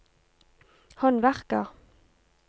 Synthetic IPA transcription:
hɑnʋæʁkə̰ʁ

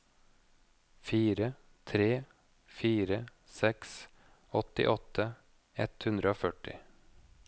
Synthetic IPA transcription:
fiːɾə | t̪ʰɾeː | fiːɾə | sɛks | ɔt̪ɪ̰ʔɔt̪ə | ɛ̰t̪hʉnd̪ɾəoːfœʈɪ

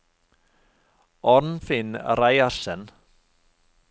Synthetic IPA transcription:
ɔɾnfɪnɾajaɾsɛn

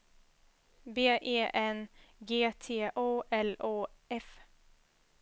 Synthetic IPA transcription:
beːʔeːʔɛnɡeːt̪ʰeːʔoːʔɛloːʔɛf

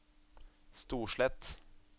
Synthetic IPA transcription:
st̪uːʂɭɛt̪

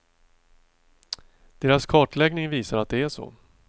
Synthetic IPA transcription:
d̪̥eːɾaskʰɑːʈɭɛɡnɪŋviːsaɾat̪̚d̪ɛæʂɔ̰

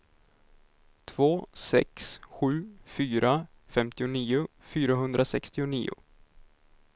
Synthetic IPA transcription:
t̪ʰv̥oːsɛ̰ksɧʉ̟ːfyːɾʔa | fɛmt̪ɪʊniːʊ | fyːɾaɦɵnd̪ɾasɛkst̪ɪʊnḭːʊ̰

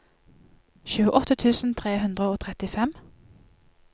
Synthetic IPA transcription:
çʉːəʔɔt̪ət̪ʰʉːsn̩t̪ʰʁeːhʉnd̪ʁəoːt̪ʰʁɛt̪ɪfɛm

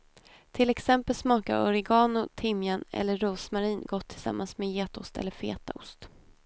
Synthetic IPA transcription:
t̪ʰɪlɛksɛmpəlsmɑːkaʊɾɪɡɑːnʊt̪ʰɪmjanɛ̰lːəɾuːsmaɾiːnɡɔt̪ʰːɪlsa̰mːʔansmeːjeːt̪ʊst̪ɛ̰lːəɾfḛːt̪a̰ʊ̰st̪

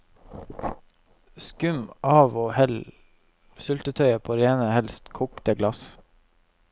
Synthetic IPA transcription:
skʉmʔɑːʋoːhɛl | sʉlt̪ət̪ʰœʏəpʰoːɾeːnəhɛlst̪kʰuːkt̪əɡlɑs

